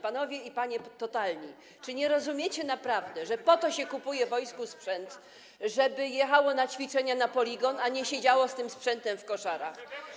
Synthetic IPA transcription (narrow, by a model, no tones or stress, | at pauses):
panɔvʲjɛipaɲɛt̪ɔt̪alɲi | t͡ʂɘɲɛɾɔzumʲjet͡ɕɛnapɾavd̪ɛʐɛpɔt̪ɔɕɛkupujɛvɔjskuspʂɛnt̪ | ʐɛbɘjɛxawɔnat͡ɕfʲit͡ʂɛɲanapɔlʲiɡɔnaɲɛɕed͡ʑawɔst̪ɘmspʂɛnt̪ɛmfkɔʂaɾa̰x